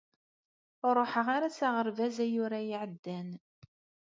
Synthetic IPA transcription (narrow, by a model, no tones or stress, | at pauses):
ɾˤoħəʁaɾat͡saʁəɾvæzæjʊɾajiʕəd̪ːæn